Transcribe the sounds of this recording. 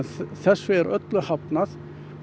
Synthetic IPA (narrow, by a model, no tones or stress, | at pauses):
nθɛsːvʏɛɾœ̰t̪lʏhapnaθ